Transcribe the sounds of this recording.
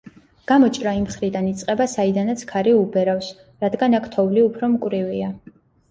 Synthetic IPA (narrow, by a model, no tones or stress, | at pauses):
ɡ̥amɔt͡ʃʼɾaimχɾid̪anit̪sʼqʼɛbasaid̪anat̪sʰkʰaɾiubɛɾafs | ɾad̪ɡanakʰt̪ʰɔvliupʰɾɔmkʼwvɾivia